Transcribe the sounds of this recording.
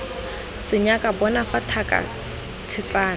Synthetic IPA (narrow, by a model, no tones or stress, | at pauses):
sɪɲakʼabɔnafatʰakʼa̰ | t͡sʰɪt͡saːn